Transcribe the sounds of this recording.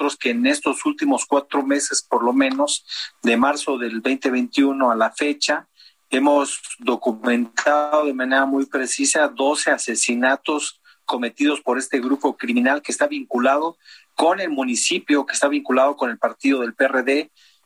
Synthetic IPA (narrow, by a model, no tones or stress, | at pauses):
t̪ɾoske̞ːne̞st̪o̞sult̪imo̞skwat̪ɾo̞me̞se̞spoɾlo̞mẽ̞no̞zd̪emaɾso̞ðe̞lbejnt̪e̞βejnt̪junoalafe̞t͡ʃa | e̞mo̞zd̪o̞kumẽ̞nt̪aðoðe̞mãne̞ɾamujpɾe̞sisaðo̞se̞ase̞sinat̪o̞s | ko̞me̞t̪iðo̞spo̞ɾe̞st̪e̞ɣɾupo̞kɾimĩnalkest̪aβiŋkulað̞o̞ko̞ne̞lmũnisipjoke̥st̪aβiŋkulaðo̞ko̞ne̞lpaɾt̪iðo̞ð̞e̞lpereðe̞